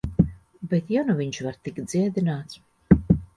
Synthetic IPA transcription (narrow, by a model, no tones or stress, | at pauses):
bet̪januviɲt͡ʃvaɾt̪ikt̪d̪z̥iɛd̪inaːt̪s